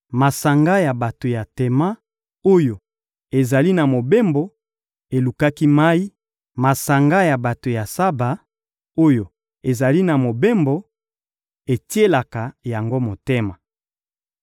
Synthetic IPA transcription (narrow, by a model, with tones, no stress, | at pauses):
ma˨sa˨ŋɡa˦ja˨ba˨to˨ja˨te˨ma˦ | o˦jo˨ | e˨za˨li˦na˨mo˨be˦mbo˦ | e˨lu˨ka˦ki˦ma˦i˦ | ma˨sa˨ŋɡa˦ja˨ba˨to˨ja˨sa˦ba˨ | o˦jo˨ | e˨za˨li˦na˨mo˨be˦mbo˦ | e˨ti˦e˦la˨ka˨ja˨ŋɡo˦mo˨te˦ma˨